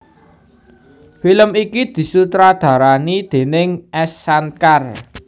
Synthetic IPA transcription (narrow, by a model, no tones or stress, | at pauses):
filəmikid̪̥i̤sut̪ɾad̪̥ä̤ɾanid̪̥e̤nɪŋɛsːankar